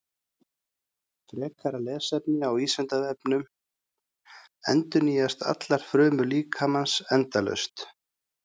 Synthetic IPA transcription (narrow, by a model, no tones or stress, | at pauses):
fɾɛːkʰaɾalɛːsɛpnɪawiːslɛnt̪aðɛpnʏm | ɛnt̪ʏniːjast̪a̰t̪laɾ̥fɾœːmʏliːkʰamansɛnt̪alœ̰ɥst̪